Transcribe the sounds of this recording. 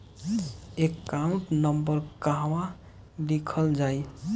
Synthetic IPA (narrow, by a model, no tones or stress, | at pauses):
ekːaũɳʈnəmbəɾkaɦwa | d̪ikʰəld͡ʒaj